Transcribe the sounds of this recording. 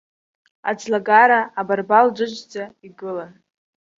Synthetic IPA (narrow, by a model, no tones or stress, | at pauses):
a̰d͡zlaɡaɾaːbarbald͡ʒʷɨʒʷd͡zaiɡɨlan